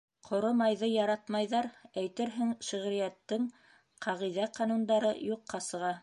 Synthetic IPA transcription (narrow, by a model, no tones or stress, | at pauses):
qʰŏɾomɑjðɤjɑɾɑt̪mɑjðɑɾæjt̪ɘɾɦɘŋʃɘ̆ʁɾijæt̪ːɘŋ | qʰɑʁiðæqɑnund̪ɑɾɤjuqːɑsɤ̆ʁɑ